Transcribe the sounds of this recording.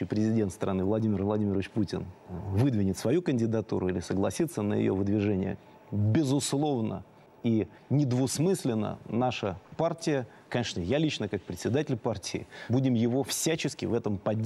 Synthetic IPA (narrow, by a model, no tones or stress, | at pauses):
ɪjpɾʲɪzʲɪdʲent̪st̪ɾʔɐnɨvlˠɐdʲimʲɪrvlˠɐdʲimʲɪɾəvɪt͡ɕputʲɪnvɨd̪vʲɪnʲɪt̪svɐjukənʲdʲɪd̪ɐt̪ṵɾʊilʲɪsəɡlˠɐ̰sʲit̪sːənə̰jɪ̰jo̰vɨd̪vʲɪʐɛnʲɪjə̰ | bʲɪzʊslˠo̞vnə̰ | i | nʲɪd̪vʊsmɨsʲlʲɪnːə̰naʂəpartʲɪjə | kɐnʲeʂnəjalʲit͡ɕnəkak̚pɾʲɪt̪sʲɪd̪atʲɪlʲpartʲɪɪ̰budʲɪmjɪvo̞fsʲæt͡ɕɪskʲɪvɛt̪əmpɐdʲ